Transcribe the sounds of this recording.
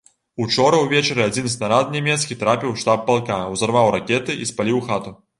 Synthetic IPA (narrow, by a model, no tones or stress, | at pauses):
ut͡ʂɔɾɐwvʲɛt͡ʃɐɾɨad͡zʲinsnaɾat̪̚nʲɛmʲɛt̪skʲit̪ɾapʲiwʂt̪ap̚ːalˠkawzarvawɾakʲɛt̪ɨʔispalʲiwxat̪u